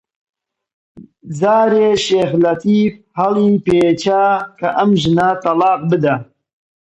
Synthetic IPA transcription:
zaːɾeːʃeːxlɐt̪iːf | hɐliːpeːt͡ʃaːkɐʔɐmʒɨnat̪ɐlɑːq̚bɨd̪ɐ

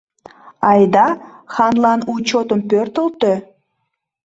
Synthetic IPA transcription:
ɑjd̪ɑxɑnlɑnut͡ɕot̪əmpørt̪ə̆lt̪ø

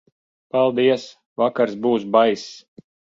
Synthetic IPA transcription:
palˠd̪iɛs | vakaɾsbuːsbajs

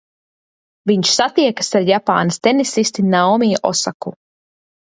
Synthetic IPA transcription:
viɲʃsat̪iɛkḁsaɾjapa̰ːnast̪enisist̪inawmijʔɔ̰saku

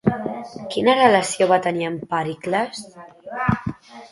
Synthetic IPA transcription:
kinərələsioβat̪əniəmpaɾikləs

